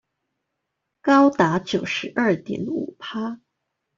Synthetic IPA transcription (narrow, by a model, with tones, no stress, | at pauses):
kɑ˥ʊt̪a˧˥t͡ɕjo˨˩ʊʂɻ̩˧˥ʔɐ˞˥˩t̪jɛ̰˧˥nṵ˨˩pʰa˥